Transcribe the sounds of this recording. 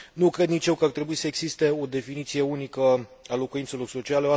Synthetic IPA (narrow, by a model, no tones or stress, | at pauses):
nukɾe̞d̪nit͡ʃje̞wkəart̪ɾe̞buisəeɡzist̪e̞o̞d̪e̞finit̪sije̞unikəalo̞kuint̪se̞lo̞rso̞t͡ʃialeoa